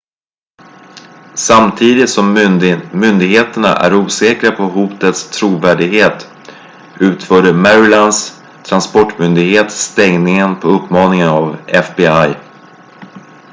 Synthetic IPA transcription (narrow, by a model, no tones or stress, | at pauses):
samt̪ʰiːd̪ɪt̪sɔmmʏnd̪ɪɡheːt̪əɳa̰ʔæ̰ɾuːsɛːkɾapʰɔɦuːt̪ət̪st̪ʰɾuːvæːɖɪɡheːt̪ | ʉ̟ːt̪fœːɖəmɛɾɪlans | t̪ʰɾanspɔʈːmʏnd̪ɪɡheːt̪st̪ɛŋnɪŋənpʰɔɵpːmɑːnɪŋənavɛfbɪaj